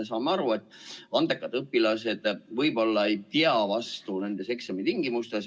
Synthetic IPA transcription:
esɑːmeɑɾue̞t̪ːˑɑnd̪̥e̞kːˑɑd̪̥ɤpːˑilɑse̞d̪̥vɤjbo̞lːɑejt̪iɑvɑst̪une̞nd̪̥e̞se̞ksemit̪iŋɡimust̪es

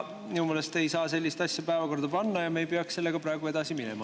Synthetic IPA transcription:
miumeːlest̪e̞jsɑːse̞lʲːist̪ɑsʲjɑpæevɑko̞rd̪̥ɑpɑnːɑjɑmejpeɑksse̞lːe̞ɡ̥ɑpɾɑeɡ̥ue̞d̪̥ɑsiminɛ̰mɑ

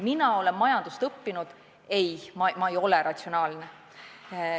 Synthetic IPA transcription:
minɑo̞le̞nːɑjɑnd̪̥ust̪ɤpːinud̪̥ | e̞jmɑmɑejo̞le̞ɾɑt̪ʲsio̞nɑːlne

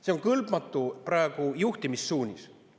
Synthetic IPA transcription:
se̞o̞ŋkɤlbmɑt̪ːˑupɾɑeɡ̥ujuht̪imisːuːnʲis

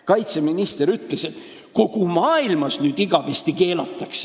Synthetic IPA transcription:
kɑjt̪se̞minist̪eɾyt̪ˑlese̞t̪ː | ko̞ɡ̥umɑːilmɑsnyːd̪̥iɡ̥ɑvest̪ike̞ːlɑt̪ːˑɑks

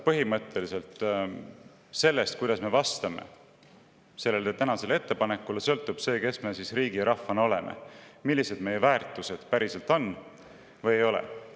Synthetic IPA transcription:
pɤ̞ɦimɤt̪ʰˑːe̞lise̞lt̪ | se̞lːe̞st̪̚kujd̪ɑsme̞vɑst̪ɑmḛ | se̞lːelt̪et̪ænɑse̞lee̞t̪ːe̞pɑnekːˑulesɤ̞lt̪ːˑub̥se̞ːke̞sme̞sisriːɡiɾɑfɑno̞lḛmḛmilːise̞d̪me̞jevæːrt̪ːˑuse̞d̪̥pæɾise̞lt̪ːˑo̞nː | vɤjejo̞lḛ

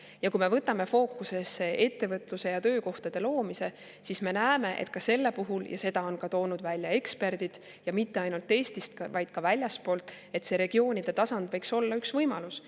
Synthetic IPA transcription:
jɑkujme̞vɤt̪ːˑɑme̞fo̞ːkːuse̞se̞ʔe̞t̪ːe̞vɤt̪ˑluse̞jɑt̪øːko̞ht̪ɑd̪̥e̞lo̞ːmise̞ | sisme̞næːme̞ʔḛt̪̚kɑse̞lːe̞puɦuljɑ̰se̞d̪̥ɑo̞nkɑt̪o̞ːnud̪̥vælʲːjɑe̞kspe̞rd̪̥id̪̥ | jɑmit̪ːe̞ɑjnult̪ːˑe̞ːst̪ist̪kɑvɑjd̪̥kɑvælʲjɑspoːlt̪ːˑ | e̞t̪se̞ɾe̞ɡ̥io̞ːnʲid̪̥e̞t̪ɑsɑnd̪̥vɤjkso̞lːɑyksvɤjmɑlus

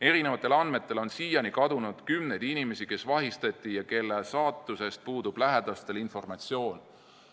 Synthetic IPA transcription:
e̞ɾine̞vɑt̪ˑːe̞lɑnme̞t̪ːˑe̞lo̞nsiːjɑnikɑd̪unud̪̥kymne̞jd̪̥inime̞sike̞svɑɦist̪ɑt̪ʲˑːijɑke̞lːesɑːt̪ːˑuse̞st̪̚puːd̪ub̥læɦed̪̥ɑst̪e̞linfo̞rmɑt̪sio̞ːn

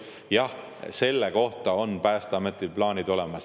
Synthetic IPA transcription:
jɑh | se̞lːeko̞ht̪ɑo̞npæːst̪ɑmet̪ˑilplɑːnid̪̥o̞lemɑs

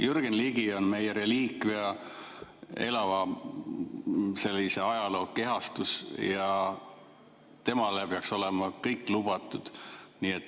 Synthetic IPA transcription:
jyrɡ̥enliɡio̞nme̞jeɾe̞liːkveɑ | e̞lɑvɑ | se̞lʲːise̞ɑjɑlo̞ːke̞ɦɑst̪usjɑ | t̪e̞mɑlepeɑkso̞lemɑkɤjkːˑlub̥ɑt̪ːˑud̪̥niːet̪ː

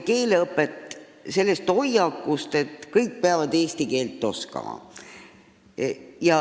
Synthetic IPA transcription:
ke̞ːleɤpːˑet̪ːˑ | se̞lːest̪o̞jɑkːust̪e̞t̪ˑkɤjk̚ːpeɑvɑd̪eːst̪ike̞ːlt̪ːˑo̞skɑ̰mɑ̰ | jɑ

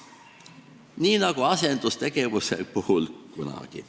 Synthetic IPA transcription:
niːnɑɡ̥uɑse̞nd̪̥ust̪e̞ɡ̥e̞vusḛpuhulkunɑ̰ɡ̥i

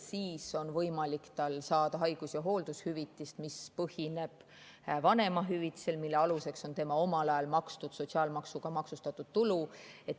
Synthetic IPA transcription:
siːso̞nvɤjmɑlikt̪ɑlsɑːd̪̥ɑɦɑjɡ̥usjɑɦo̞ːld̪̥ushyvit̪ːˑist̪mispɤhine̞b̥ | vɑne̞mɑɦyvit̪ːˑi̥se̞lmilːeɑluse̞kso̞nt̪e̞mɑo̞mɑlɑjɑlmɑkst̪ud̪̥so̞t̪siɑːlmɑksuɡ̥ɑmɑksust̪ɑt̪ːˑud̪̥̚t̪ulue̞t̪

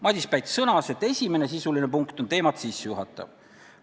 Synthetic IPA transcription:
mɑd̪ʲispæjt̪sɤnɑse̞t̪ːˑe̞sʲime̞ne̞sisuline̞puŋkt̪ont̪e̞ːmɑt̪sisːejuɦɑt̪ːˑɑ̰v

